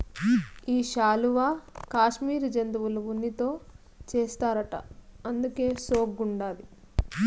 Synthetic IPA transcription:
iːʃaːluʋaːkaːʃmiːɾd͡ʒɐnd̪uʋulɐʋunːit̪o̞ː | t͡ʃeːst̪aːɾɐʈɐ̰ɐnd̪uke̞ːsoːɡɡuɳɖaːli

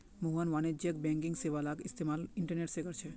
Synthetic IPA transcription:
muɦənʋañed͡ʒjək̚bɛ̃ŋkiŋɡseʋalakɪst̪ʰemalɪɳʈəɾneʈseɡəɾt͡ʃʰe

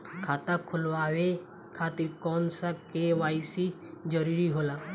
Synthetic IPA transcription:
kʰaːt̪akʰʊlʋaːʋe | kʰaːt̪iɾkɔːnsakeʋaːisi | d͡ʒəɾiɾiɦoːlaː

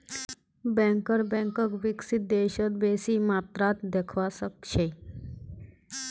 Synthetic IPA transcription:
bɛ̃ŋkəɾbɛ̃ŋkəkʋɪksɪt̪̚d̪eːʃət̪beːsimaːt̪ɾat̪d̪ekʰʋasək̚ʃʰe

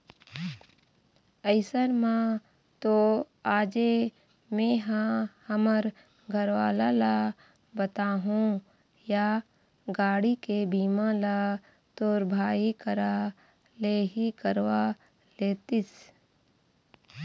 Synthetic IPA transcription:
əɪsəɾmã | t̪o | aːd͡ʒe | mẽːɦãhəməɾ | ɡʱəɾwaːlala | bət̪aːɦũ | ja | ɡaːɽikebiːmãla | t̪oːɾbʱaːikəɾa | leːɦikəɾwa | leːt̪ɪs

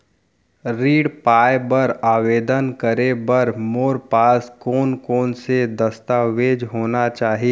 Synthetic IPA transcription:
ɾiːɽpaːjbɐɾaːʋeːd̪ənkəɾebɐɾmoːɾpaːskoːnkoːnsed̪ɐst̪aːʋeːd͡ʒɦoːnat͡ʃaːɦie

